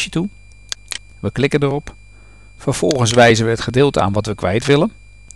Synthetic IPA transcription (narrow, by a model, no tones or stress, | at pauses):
ətu | ʋəklɪkəndərɔp | fəɹv̥ɔlˠχəns̬ʋɛjzənʋəɦətχədɪːlˠtəa̰ːnʋɑtʋəkʋɛjtʋɪlən